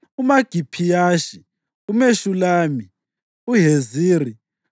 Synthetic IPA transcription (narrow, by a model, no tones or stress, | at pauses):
umaɡ̥ʱipʰijaːʃi | umeʃulaːmi | uɦeziːri